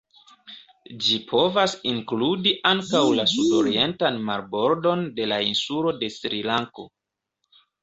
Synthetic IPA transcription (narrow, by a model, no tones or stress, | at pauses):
d͡ʒipʰo̞vasiŋkludiʔaŋkawlasudo̞ɾie̞ntanmaɾbo̞ɾdo̞nde̞lainsulo̞de̞sɾilaŋko̞̰